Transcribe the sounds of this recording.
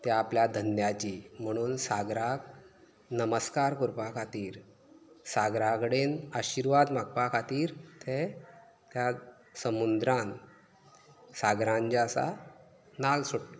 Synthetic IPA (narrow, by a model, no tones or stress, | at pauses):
t̪jaapljad̪ʱənjat͡ɕim̤əɽ̃uːnsaɡɾak | nəməskaɾkuɾpakʰat̪iːɾ | saɡɾakɽenaɕiɾʋad̪m̤akpakʰat̪iːɾt̪ʰe | t̪ja | səmund̪ɾãn | saɡɾãɲd͡ʑasa̰ | nalsoɽ